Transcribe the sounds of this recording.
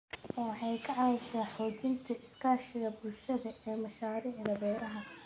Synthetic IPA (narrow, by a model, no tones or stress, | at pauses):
ɔːwɑħɑjkʰɐʕɑɪʃaːħɔːt͡ʃɪnt̪ʰɐʔɪskʰaːʃɪɣɐbʊlʃɐðɐʔɛːmɐʃaːɾɪʕɣɐbɛːɾɐɦɐ